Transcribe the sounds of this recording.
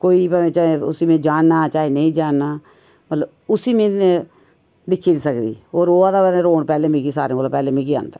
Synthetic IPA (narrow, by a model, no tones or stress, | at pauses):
koːiːpɛmẽt͡ʃaeʊ̰siːmẽːd͡ʒaːɳnaːt͡ʃaːeːnəĩːd͡ʒaːɳnaː | mət̪ləb | ʊsiːmẽːe | d̪ɪkʰːiːɾsəkd̪ḭːoːɾoːaːd̪aːbɛːd̪ẽɾoːɳpɛːlẽːmĩːkisaːɾẽːolapɛːlẽːmĩːkia̰ːnd̪a